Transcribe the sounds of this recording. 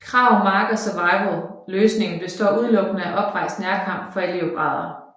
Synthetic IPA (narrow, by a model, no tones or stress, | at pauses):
kʰʁɑ̈ʊmɑ̈ːɡ̥ðˠsɒʋɑ̈ɪʋl̩ˠløːsne̝ŋn̩b̥e̝sd̥ɒ̰ːuð̞ˠlɔ̽ɡ̥nəæʔɒ̽b̥ʁɑ̈ɪ̰sd̥næɐkʰɑ̈m̰b̥fɒ̽eliob̥ʁɑ̈ːðˠɐ